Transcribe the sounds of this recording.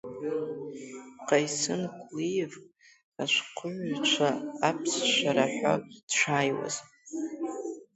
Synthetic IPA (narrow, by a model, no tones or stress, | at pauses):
qajsɨnkʷʰʼlijv | aʃʷqʷʰʊʕʷt͡ʃʷʰaːpʰsʃaɾaħʷa̰d̥ʈ͡ʂʷʰaːjwa̰z̥